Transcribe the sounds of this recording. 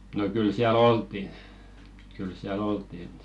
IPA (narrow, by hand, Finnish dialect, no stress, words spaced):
no kyl siæl oltˑin̥ kyl siæl oltˑin